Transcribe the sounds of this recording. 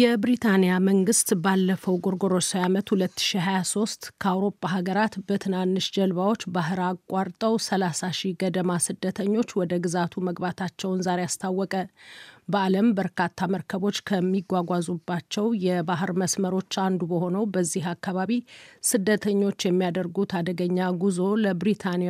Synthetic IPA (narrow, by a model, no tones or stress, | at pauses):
jɛbɾit̪ʰanijaməŋɡɨst̪balːəfəwɡoɾɡo̞ɾosojamət̪hulət̪ːɨ̥ʃiɦajaso̞st̪kʰəawɾo̞pʼːaɦaɡəɾat̪bət̪ʰɨnanːɨʃd͡ʒəlβawo̞t͡ʃːbaɦɨɾakʼːaɾt̪ʼəwsəlasaʃiɡəd̪əmasɨd̪ːət̪ʰəɲːo̞t͡ʃːwɔd̪əɡɨzat̪ʰuməɡbat̪ʰat͡ʃːɛwnzaɾejast̪ʰawːɔkʼəbəaləmbəɾkat̪ʰːaməɾkʰəβo̞t͡ʃːkʰəmːiɡʷwaɡʷazubːat͡ʃːɛwjɛbaɦɨɾməsməɾo̞t͡ʃːand̪ubəho̞nəwbəzːiɦakːaβaβisɨd̪ːət̪ʰəɲːo̞t͡ʃːjɛmːijad̪əɾɡut̪ʰad̪əɡəɲːaɡuzo̞ləbɾit̪ʰan